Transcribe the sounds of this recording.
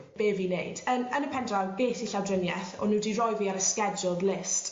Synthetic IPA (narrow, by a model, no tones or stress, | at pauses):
b̥eːviːneɨd̥ənənəpʰɛndawbeːθiɬawdrənjɛθɔ̰nuːdirɔjviːaɾəskɛd͡ʒʊlˠdlɪst